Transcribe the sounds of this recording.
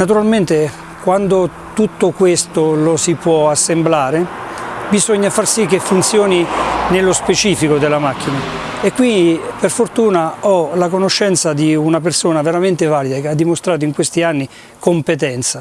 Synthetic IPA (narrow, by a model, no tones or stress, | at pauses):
nat̪̬uɾalment̪e | kwand̪o | t̪ut̪ːokwest̪olosipwɔasːemblaːɾebizoɲːafarsikːefːunt̪sjɔːninelːospet͡ʃiːfikod̪elamak̟ːina | ekːwind̪iperfort̪uːnaɔlakonoʃːɛnt̪sad̪iunap̬ersoːnaveɾament̪evaːlid̪akead̪ːimost̪ɾaːt̪oiŋkwest̪ianːi | kompet̪̬ɛnt̪sa